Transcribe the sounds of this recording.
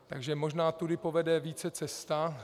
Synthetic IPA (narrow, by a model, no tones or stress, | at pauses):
t̪a̰ɡʒɛmo̞ʒnaːt̪udɪpovɛdɛviːt͡sɛt͡sɛst̪a